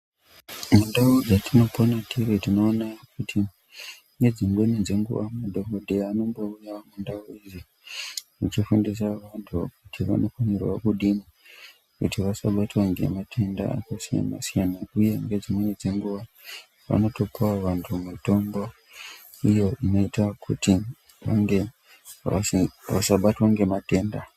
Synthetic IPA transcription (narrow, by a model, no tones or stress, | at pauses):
mundaud͡zatʰino̞ponatʰiretino̞ːnakutʰi | ŋɡe̞d͡zimwe̞nid͡ze̞ŋɡṵʋamudʱomodʱeaːno̞mboujamundauizi | mut͡ʃifundis̬aʋantʰukutʰiʋa̰no̞fanerwa̰kuɗimi | kṵtiʋasaɓatwaŋɡe̞̰matʰe̞nda̰a̰kasija̰na̰sijanauje̞ŋɡe̞d͡zimwe̞nid͡ze̞ŋɡuʋa | ʋa̰no̞to̞pawaʋantʰumito̞mbo | ijo̞ʔino̞itakʰṵti | ʋaŋɡe̞ | a̰ʋasaɓatwaŋɡe̞mate̞ːnda